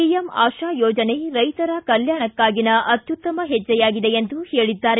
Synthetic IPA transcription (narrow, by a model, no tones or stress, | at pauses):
ijɐma̰ːʃaːjɔːd͡ʒɐne̞ɾɐjt̪ɐɾɐkɐljaːɳɐkːaːɡinɐʔɐt̪jut̪ːɐmɐɦɛd͡ʒːɐjaːɡid̪eend̪uhe̞ːɭid̪ːaːɾe